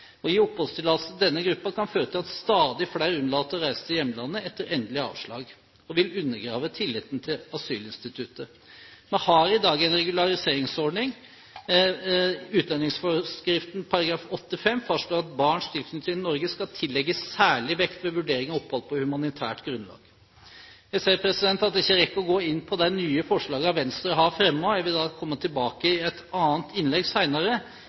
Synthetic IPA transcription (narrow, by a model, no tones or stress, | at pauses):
ɔɪɔphɔst̪ʰɪlɑlsɔd̪ɛnːəɡɾʉpːɑkɑnføːɾət̪ʰɪlɑt̪st̪ɑːd̪ɪflæɪɾʉnlɑːt̪ɔɾæɪsət̪ʰɪjɛmːəlɑnːəɛt̪ːəɾɛnd̪lɪəɑ̰ːʋʂɭɑ̰ːɡ | ɔʋɪlʉnːəɡɾɑːʋət̪ʰɪlːɪt̪n̩t̪ʰɪlɑsyːlɪnst̪ɪt̪ʰʉt̪ə | mɛnhɑɾɪd̪ɑːɡɛɪnɾɛɡʉlɑɾɪseːɾɪŋsɔɖɳɪŋ | ʉːt̪̚d̪ɑnːɪŋsfɔskɾɪft̪n̩pʰɑɾɑɡɾɑːfɔt̪ːɪfɛmːfɑʂɭoːɾɑt̪̚bɑːɳʂt̪ʰɪlfɪnɪt̪ʰiːnɔɾɡəskɑlt̪ʰɪlːɛɡːəsːæːɭɪʋɛkt̪ʋɛʋʉɖeːɾɪŋɑɔphɔləpɔhʉmɑnɪt̪ʰæ̰ːʈɡɾʉnlɑ̰ːɡ̥ | jæɪseːɾpʰɾɛsɪd̪ɛnt̪ɑt̪̚d̪ɛɪçːəɾɛkːəɔɡoːɪnːpʰɔd̪æɪnyːəfɔʂɭɑːɡəɑʋɛnst̪ɾəɾəɦɑɾfɾɛmːoːæʋɪd̪ɑːkʰɔmːət̪ʰɪlbɑːkəɪɛt̪ɑːnt̪ɪnlɛɡsæɪnɑɾə